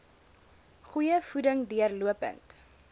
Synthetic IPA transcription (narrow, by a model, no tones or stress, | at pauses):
χujəfudəŋduərluəpə̰nt